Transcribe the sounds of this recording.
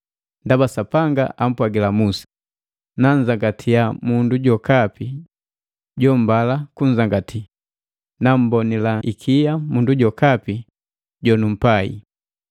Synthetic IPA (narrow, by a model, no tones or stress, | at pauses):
ndabasapaŋɡa̰ʔam̩pwaɡilamusḁ | nan̩zaŋɡatʰijamunduɟɔkapi | ɟɔm̩balakuɲ̩zaŋɡatʰi | nam̩bɔnilaʔikʰijamunduɟɔkapi | ɟɔnum̩paḭ